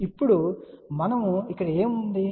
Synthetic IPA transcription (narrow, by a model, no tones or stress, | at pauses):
ipːuɽumɐnɐmuikːɐɽɐeːmund̪i